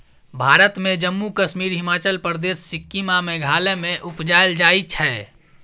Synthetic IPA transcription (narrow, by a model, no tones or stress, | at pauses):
bʱaːɾət̪mẽd͡ʒəmːukəʃmiːɾɦɪmaːt͡ʃəlpɾd̪eːsːɪkːimamẽɡʱaːlemẽʔʊpd͡ʒaːeld͡ʒaːit͡ʃʰɛː